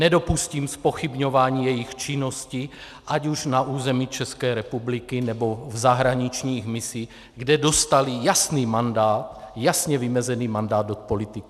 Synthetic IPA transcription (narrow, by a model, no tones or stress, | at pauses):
nɛdo̞pusciːmspo̞xibɲo̞vaːɲiːjɛjixt͡ʃɪno̞sci | ʔaɟuʒnaʔuːzɛmit͡ʃɛskɛːɾɛpublikɪnɛbo̞vzaɦɾaɲit͡ʃɲiːxmɪsiː | ɡdɛdo̞st̪alijasniːmandaːt̪jasɲɛvimɛzɛniːmandaːd̪ot̪̚po̞lit̪ɪk